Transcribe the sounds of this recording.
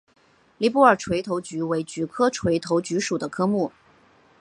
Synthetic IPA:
li˧˥pu˥˩ə˞˨˩ʈ͡ʂʰwe˧˥ɪt̪ʰo˧˥ʊt͡ɕy˧˥we˧˥ɪt͡ɕy˧˨˥kʰɤ˥ʈ͡ʂʰwe˧˥ɪt̪ʰo˧˥ʊt͡ɕy˧˥ʂu˨˩d̪ə˦kʰɤ˥mu˥˩

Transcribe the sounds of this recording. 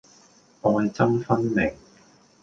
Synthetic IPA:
ʔɔː˨˧jt͡sɐ˥mfɐ˥nmɪ˨˩ŋ

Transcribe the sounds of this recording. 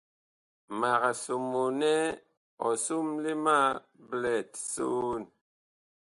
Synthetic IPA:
ma˨ɣa˨su˨mu˨nɛ˦ | ɔ˨su˦mli˦ma˦ | blɛ˨tso˦n

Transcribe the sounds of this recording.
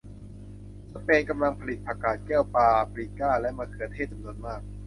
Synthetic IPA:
sa˧peː˧nka˧mla˧ŋpʰa˧li˨˩t̪̚pʰɾaː˧kaː˨˩t̪̚kɛː˥˩wpaː˧pli˨˧˩kaː˥˩lɛ˦˥maː˧k̪ʰɯː˧ət̪ʰeː˥˩t̪̚t͡ɕa˧mnu˧ənmaː˥˩k̚

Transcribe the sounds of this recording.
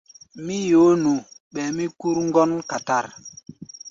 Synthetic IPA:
mi˦jo˨˦nũ˨ɓɛ˨mi˦ku˦ɾŋ˦ɡɔ˦nka˨ta˦˨ɾ

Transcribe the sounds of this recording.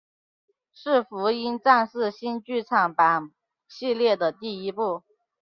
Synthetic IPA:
ʂɻ̩˥˩fu˧˥i˥nt͡sa˥˧nʂɹ̩˥˧ɕi˥nt͡ɕy˥˧t͡sʰɑ˨˩ŋpa˨˩n | ɕi˥˧ljɛ˥˩d̪ə˩t̪i˥˩i˥pu˥˩

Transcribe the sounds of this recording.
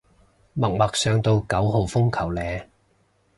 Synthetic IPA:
mɐ˨˩k̚mɐ˨k̚sœː˨˧ŋt̪o˧wkɐ˨˥wɦo˨wfʊ˥ŋkʰɐ˨˩wlɛː˨˧

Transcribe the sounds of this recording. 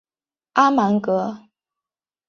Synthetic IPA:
ʔa˥ma˧˥nkɤ˧˥

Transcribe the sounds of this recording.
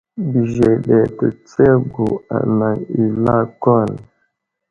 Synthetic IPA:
bi˨ʒɛ˨ɗɛ˨tə̰˨t͡sɛ˦bo˨a̰˨na˨ŋi˨la˦kɔ˦˨n˨

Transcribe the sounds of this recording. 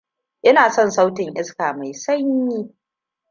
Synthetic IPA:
ʔɪ˦naː˨sɔ˦˨nsa˦wtɪ˨ɲʔɪ˦skaː˨ma˨jsɐ˦ɲːiː˦

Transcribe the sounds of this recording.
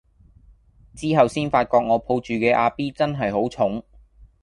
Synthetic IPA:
t͡siː˥ɦɐ˨wsiː˥nfaː˧t̚kɔː˧k̚ŋɔː˨˧pʰo˧wt͡ʃyː˨kɛː˧ʔaː˧piː˥t͡sɐ˥nɦɐ˨jhɦo˨˥wt͡sʰʊ˨˥ŋ

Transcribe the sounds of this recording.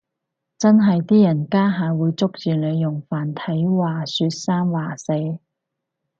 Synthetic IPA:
t͡sɐ˥nɦɐ˨jt̪iː˥jɐ˨˩nkaː˥ɦaː˨˧wuː˨˧jt͡sʊ˥k̚t͡syː˨lɵ˨˧jjʊ˨˩ŋfaː˨˩nt̪ʰɐ˨˥jwaː˨˩syː˧t̚saː˥mwaː˨˩se˧j

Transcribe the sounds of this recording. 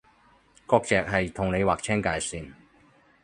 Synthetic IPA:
kɔː˧k̚t͡sɛː˨k̚ɦɐ˨jt̪ʰʊ˨ŋne˨˧jwaː˨k̚t͡sʰɛː˥ŋkaː˨˧˩jsiː˨n

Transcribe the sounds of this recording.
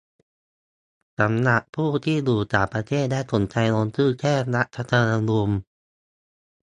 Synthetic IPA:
sa˩˦mna˧˦ʔ̚pʰuː˥˩t̪ʰiː˥˩duː˨˩t͡ɕaː˨˩pɾa˧t̪ʰeː˥˩t̪̚daː˥˩jkʰo˨˩˦nt͡ɕa˧jlo˧nsɯː˥˩kʰɛː˥˩˧na˦˥ʔt̪ʰa˧˥t̪ʰaː˧na˧lu˧m

